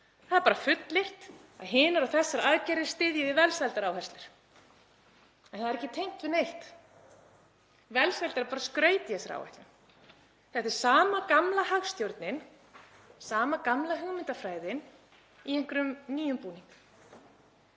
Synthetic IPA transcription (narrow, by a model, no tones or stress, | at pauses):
θaðɾpaːɾafʏt̪lɪht̪ | a̰ðɦɪːnʏɾawθɛsːaɾaðcɛɾɪ̥st̪ɪðjɪðɪvɛlsvɛlt̪aɾaːwɦɛst̪lɪɾ̥ | ɛnθaðɾɛhcːɪt̪ʰejm̥t̪vɪðnejht̪ | vɛlsvɛlt̪aɾpaːɾaskɾœːɥt̪ɪɛsaɾa̰wɛ̰ht̪ɪn | θɛht̪ːɪ̥saːmakamlahaɣst̪jowɾt̪nɪn | saːmakamlaɦʏɣmɪnt̪afɾaːjðɪn | ieŋ̥kɾʏmniːjʏmpuːniŋk